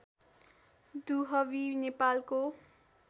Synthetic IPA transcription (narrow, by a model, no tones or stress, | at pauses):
d̪uɦʌwinepalko